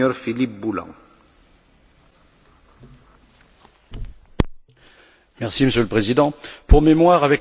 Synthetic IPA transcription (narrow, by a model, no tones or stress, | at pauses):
œʁfilip̚bulɑ̰̃ | mɛʁsiməsjøləpχezid̪ɑ̃puʁmemwaʁavɛk